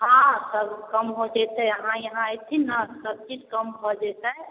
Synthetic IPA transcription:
ɦãsəbkəmɦod͡ʒɛt̪ɛəɦãjəɦãet̪ʰinəsəb̚t͡ʃid͡ʒkəmbʱɔd͡ʒɛt̪ɛ

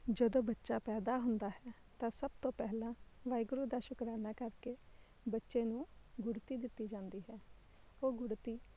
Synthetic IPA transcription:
d͡ʒəd̪õːbətːʃaːpɛːd̪aːɦʊnd̪aːɦɛː | t̪ãːsəb̚t̪õːpɛɦlãːʋaːɪɡɾuːd̪aːʃʊkɾaːnaːkəɾkeː | bətːʃeːnũːɡʊɽt̪iːd̪ɪt̪ːiːd͡ʒãːnd̪iːɦɛː | oːɡʊɽt̪iː

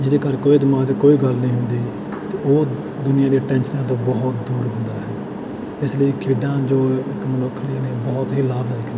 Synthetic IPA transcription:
d͡ʒɪd̪eːkəɾkoːid̪ɪmaːd̪ekoːiːɡəlnəĩːɦʊ̃nd̪iː | t̪eːoː | d̪ʊnɪjãːd̪iːʈɛ̃ːnʃənãːt̪õːbɔɦt̪d̪uːɾɦʊ̃nd̪aːɦɛː | ɪsləiːkʰiːɖãːd͡ʒoːɪkməlʊkʰliːneːbɔːt̪ɦiːlaːbd̪aːikː

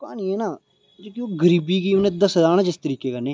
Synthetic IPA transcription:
ka̰ːniɛːnaː | d͡ʒoːkioɡəɾiːbiːɡiːʊned̪əsəd̪aːnãːd͡ʒɪst̪əɾiːkeːkənẽː

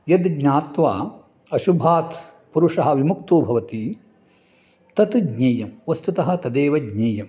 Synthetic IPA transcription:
jɐd̪ɡɲaːt̪ʋaː | ɐʃubʱaːt̪ | puɾuʂɐɦɐ̆ʋimukt̪uːbʱɐʋɐt̪i | t̪ɐt̪uɡɲɐːjɐmʋɐst̪ut̪ɐɦɐ̆t̪ɐd̪eːʋɐɡɲɐːjɐm

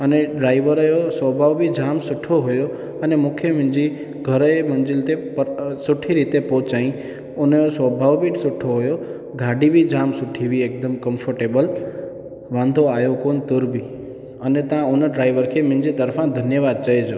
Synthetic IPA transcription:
əneɖɾaiʋəɾjosʋəbʱaʋbʱid͡ʒamsʊʈʰːoɦojo | ənemʊkʰjəmɪ̃nd͡ʒi | ɡʱəɾemənd͡ʒilt̪epəsʊʈʰːiɾit̪epot͡ʃaĩ | onjosʋəbʱaʋbʱiʈsʊʈʰːoɦojo | ɡʱaɖibʱid͡ʒamsʊʈʰːiʋiek̚d̪əmkəmfʰəɾʈebəl | ʋãnd̪ʱoajokont̪ʊɾbʱi | ənet̪ãonəɖɾaiʋəɾkʰemɪ̃nd͡ʒit̪əɾfãd̪ʱənjəʋad̪̚t͡ʃəed͡ʒo

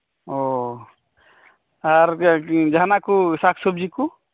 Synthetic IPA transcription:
ɔ | aɾd͡ʒanakusakʰsob̚d͡ʒiku

